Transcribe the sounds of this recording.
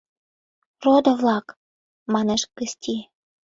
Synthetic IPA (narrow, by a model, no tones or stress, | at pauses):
rod̪ə̆vlɑk | mɑneʃkɘsʲt̪ʲi